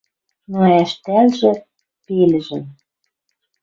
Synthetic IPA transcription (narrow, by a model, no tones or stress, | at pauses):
noæʃt̪ælʒĕ | pelɘ̆ʒɘ̆m